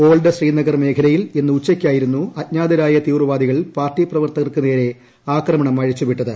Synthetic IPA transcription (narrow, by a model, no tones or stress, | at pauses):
o̞ːɭɖɨɕriːnɐɡɐrme̞ːkʰɐlɐjile̞nːɨut͡ɕːɐkʲːaːjiɾunːuɐt̚ɲaːd̪ɐɾaːjɐt̪iːʋrɨʋaːd̪iɣɐɭpaːrʈːiprɐʋɐrt̪ɐɣɐrkɨneːɾe̞ | aːkrɐmɐɳɐmːɐɻit͡ɕːupiʈːɐðɨ